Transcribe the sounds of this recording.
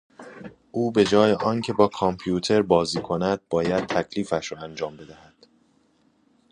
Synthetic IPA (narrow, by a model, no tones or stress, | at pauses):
ʔuːbe̞d͡ʒɒːjeʔɒːncʰe̞bɒːkʰɒmpʰjuːt̪ʰe̞ɾbɒːziːkʰonæd̪̥̚bɒːjæd̪̥̚t̪ʰæcʰliːfæʃɾɒːænd͡ʒɒːmbe̞d̪æhæd̪̥